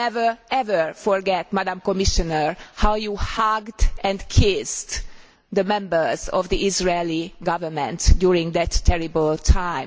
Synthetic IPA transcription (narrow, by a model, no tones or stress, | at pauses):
ɛvəɹɛvəɹfɔɹɡɛt̪mæd̪ãmkɔmiʃɔnəɹhawjuːhaɡdɛ̃ndkʰɪsd | d̪əmɛ̃mbə˞zɔvd̪iizɹeliɡʌvə˞mɛ̃ntdjuɹɪ̃ŋɡd̪ɛtʰːɛɹibəltʰãɪ̃m